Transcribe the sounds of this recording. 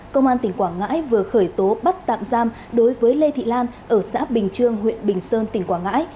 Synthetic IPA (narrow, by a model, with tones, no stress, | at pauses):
kə˧wŋ͡mʔaː˧nt̪ï˨˩ŋ̟kwaː˧˩ŋa̰ː˧˥jvɨ˨˩əxəː˧˩jt̪o˨˦ɓa˦˥t̚t̪a̰ː˧˨mzaː˧m | ɗo˨˦jvəː˨˦jle˧t̪ʰḭ˧˨laː˧nʔəː˧˩sa̰ː˧˥ɓï˨˩ŋ̟t͡ɕɨ˧əŋɦwḭ˧˨ənɓï˨˩ŋ̟səː˧nt̪ï˧˩ŋkwaː˧˩ŋa̰ː˧˥j